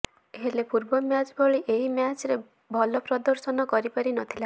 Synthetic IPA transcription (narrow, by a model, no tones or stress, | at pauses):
eɦelepuɾbɔmjat͡ʃbʱɔɭiʔeɦimjat͡ʃɾe | bʱɔlɔpɾɔd̪ɔɾsɔnɔkɔɾipaɾinɔt̪ʰila